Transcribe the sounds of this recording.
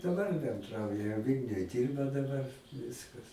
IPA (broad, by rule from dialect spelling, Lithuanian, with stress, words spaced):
dɐˈbɐr bʲɛnˈdrɐʊjɛ ˈʋʲiːlʲnʲʊj ˈdʲiːrbɐ dɐˈbɐr ˈʋʲɪskɐs